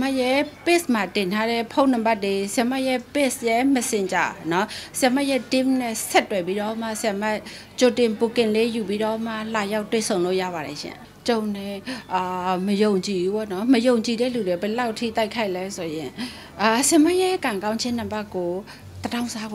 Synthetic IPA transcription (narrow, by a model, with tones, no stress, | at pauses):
ma˦ʔjɛ˦˨pe˦sma˨tɪ̃˨ntʰa˦ɾɛ˦˨pʰõ˦ʊ̃nã˨mba˦tːe˨sja˨ma˦ʔjɛ˦˨pe˦˨sjɛ˦məsɪ̃˨ɲd͡ʑa̰˨ɔ˨nɔ˨˦sja˨ma˦ʔjɛ˦dɪ̃˦mnɛ˦˨sɛ˦tːwɛ˨pi˦ɾɔ˦ma˦˨sja˨ma˦ʔ | t͡ɕo˨tɪ̃˨pu˨kɪ̃˨le˦ju˨pi˦ɾɔ˦˨˦ma˦˨la˨ja˦ʊtːwḛ˦˨sʰõ˨ʊ̃lo̰˦˨ja̰˦˨ba˨ɾɛ˨ʃɪ̰̃˦˨ | t͡ɕõ˨ʊ̃nɛ˦˨ | məjõ˨ʊ̃ɲt͡ɕi˨u˦bɔ̰˦˨nɔ˦məjõ˨ʊ̃ɲt͡ɕi˨ɾɛ̰˦˨lu˨de˨bə˨la˦ʊʔtʰḭ˦˨t̪a˦ɪkʰa˦ɪʔlɛ˦so˨jɪ̃˨ | a˨sɪja˨ma˦ʔjɛ˦kã˨ŋkã˦ʊ̃ɲt͡ɕʰɪ̃˦n̥ã˨mba˦kːo˨ | t̪əda˦ʊ̃nza˦ɡ